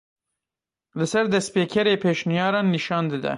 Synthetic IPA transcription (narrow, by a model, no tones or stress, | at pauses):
lɨsɛɾd̪ɛspeːkʰɛɾeːpʰeːʃnijɑːɾɑːnːiʃɑːnd̪ɨd̪ɛ̰